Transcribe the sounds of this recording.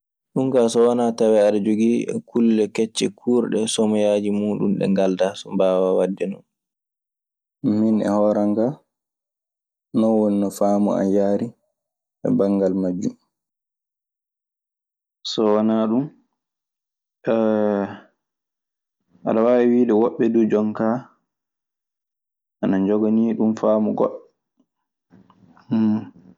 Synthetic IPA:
ɗuŋkasɔwanatawɛaɗad͡ʒoɡikʰulːɛkɛt͡ʃːɛkʰuːɾɗɛsɔmɔjad͡ʒimuːɗṵmɗɛ̰ŋɡaldasɔmbaːwawadːɛnɔn | minɛ̰hɔːɾaŋɡa | nɔwoninɔfaːmɔ̰a̰jaːɾi | ɛ̰baŋɡalmad͡ʒːum | sɔwanaɗum | ɛ | ʔa̰ɗawawɛwiːɗɛwɔɓːɛdud͡ʒɔŋka | ʔanaɲd͡ʒɔɡɔniːɗumfaːmɔɡɔ̰ɗ

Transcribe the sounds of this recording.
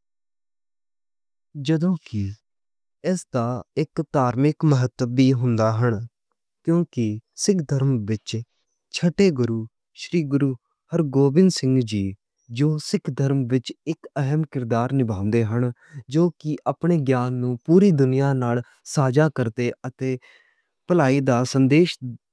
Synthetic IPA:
d͡ʒəd̪õːkɪ | ɛst̪aːɪkt̪aːɾmɪkməɦət̪ːəbiːɦʊ̃nd̪aːɦəɳ | kjõːkɪsɪkʰd̪ʱəɾmʋɪt͡ʃ | t͡ʃʰəʈeːɡʊɾuː | ʃɾiːɡʊɾuː | həɾɡoːbɪnsɪ̃ŋɡd͡ʒiː | d͡ʒoːsɪkʰd̪ʱəɾmʋɪt͡ʃɪkəɦəmkɪɾd̪aːɾnɪbʱãːnd̪eːɦəɳ | d͡ʒoːkɪʔaːpɳeːɡjaːnːũːpuːɾiːd̪ʊnɪjaːnaːl | saːd͡ʒaːkəɾt̪eːət̪eː | pəlaːiːd̪aːsənd̪eːʃ

